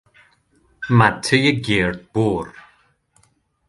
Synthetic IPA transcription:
matʰəjəɡeːɹd̪̚b̥uːɾ

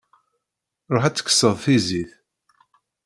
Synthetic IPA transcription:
ɾˤoħæt͡sːə̥kːə̥sːəðˤθiziθ

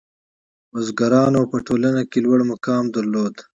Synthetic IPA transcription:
ozɡɐɾɑːnopɐʈoːlɐnakelwɐɽmɐkɑːmd̪ɐɾloːd̪

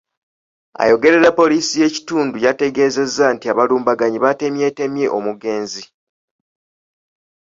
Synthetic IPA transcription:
a̰jo̞ɡe̞ɾe̞ɾapːo̞liːsije̞ci̥tuːndujate̞ɡe̞ːze̞zːantiaβaluːmbaɡaɲiβate̞mje̞te̞mje̞ʔo̞muɡe̞ːnzi

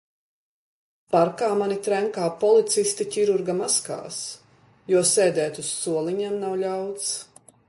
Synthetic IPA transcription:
paɾkaːmanit̪ɾæŋkaːpɔlˠit̪sist̪icʲiɾuɾɡamaska̰ːs | juɔsɛːd̪ɛːt̪usːuɔlˠiɲɛmnawlʲawt̪s

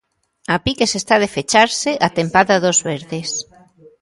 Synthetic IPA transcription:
apikesest̪aðefet͡ʃaɾseʔat̪empaðɐðozβeɾðes

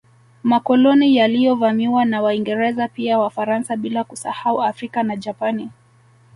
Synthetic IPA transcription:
makɔlɔnijalijɔvamiwanawaiŋɡɛɾɛzapiawafaɾansaɓilakusahauafɾikanad͡ʒapani

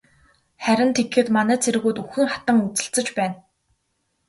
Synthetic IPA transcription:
χæɾʲɪ̆nt̪ʰekxɘ̆t̪manæːt͡sʰeɾɘ̆ɣuːt̪uxɘ̆ŋχat̪ə̆ŋut͡sɘ̆ɬt͡sɘ̆t͡ɕpæːn

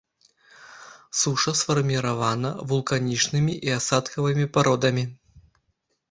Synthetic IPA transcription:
suʂɐsfɐrmʲiɾavanɐvulˠkanʲit͡ʂnɨmʲiʔiasat̪kɐvɨmʲipaɾɔd̪ɐmʲi

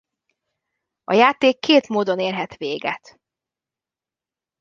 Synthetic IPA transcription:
ɒ̰jaːt̪eːkːeːt̪moːd̪o̞neːrɦɛt̪ʋeːɡɛ̰t̪

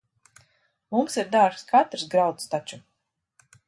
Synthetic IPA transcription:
mumsiɾd̪aɾkskat̪ɾsɡɾawt̪st̪at͡ʃu

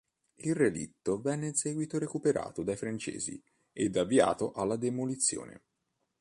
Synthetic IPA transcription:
ilrelḭt̪ːovɛnːensɛːɡwit̪oɾekupeɾa̰ːt̪od̪ajfɾant͡ʃḛːzḭ | ed̪avːia̰ːt̪oʔalːad̪emolit̪sːjo̰ːnḛ

